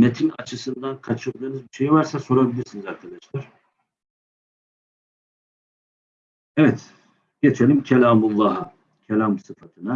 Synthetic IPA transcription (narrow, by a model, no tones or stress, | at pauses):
met̪ʰinat͡ʃʰɯsɯnd̪ankʰat͡ʃʰɯlˠd̪ɯːnɯzbiʃe̞jivaɾsaso̞ɾabilʲiɾsinizaɾt̪ʰanɛt͡ʃlaɾ̥ | ɛvɛt̪ | ɟ̥et͡ʃʰelʲimcʰɛlʲaːmulˠːaɦa | cʰɛlʲamsɯfat̪ʰɯna